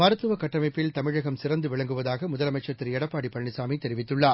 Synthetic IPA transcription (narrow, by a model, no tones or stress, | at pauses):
mɐɾɐt̪ːɯʋɐkɐʈːɐmɐɪpːɪlt̪ɐmɪɻɐɣɐmsɪɾɐnd̪ɯʋɪɭɐŋɡɯʋɐðaːɣɐmʊðɐlɐmɐɪt͡ʃːɐt̪ːɪɾɛɽɐpːaːɽipːɐɳːɪsaːmit̪ɛɾɪʋɪt̪ːɯɭːaː